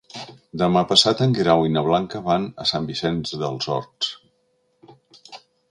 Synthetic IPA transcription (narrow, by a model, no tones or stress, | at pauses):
d̪əmapəsat̪əŋɡiɾawinəβlaŋkəβanəsambisenzðəlˠzɔ̰ɾs